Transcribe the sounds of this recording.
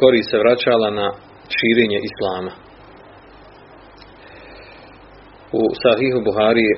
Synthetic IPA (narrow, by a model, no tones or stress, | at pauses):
ko̞ɾiːst̪seʋɾat͡ɕaːlana | ʃiːɾe̞ːɲe̞ʔislˠaːma | usaɦiːɦubuɦaːɾije